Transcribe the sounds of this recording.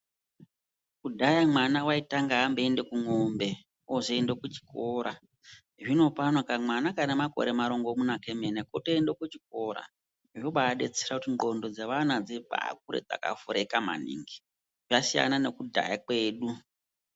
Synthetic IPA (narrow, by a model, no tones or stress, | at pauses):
kudʱajamwanawaitaŋɡaɦːmbeendekuŋombe̞ | oʐeendokut͡ʃi̥ko̞ɾa | ʐino̞panakamwanakanemako̞̰ɾe̞maɾo̞ŋɡomunakemenekoteːndokut͡ʃik̚o̞ɾa̰ | ʐoɓaːɗe̞t͡serakutiŋɡo̞ndo̞d͡zeʋanad͡zeɓa̰a̰k̚uɾḛd͡za̰ka̰fuɾekama̰nḭŋɡi̥ | ʐasija̰nane̞kudʱa̰jakwe̞ːɗu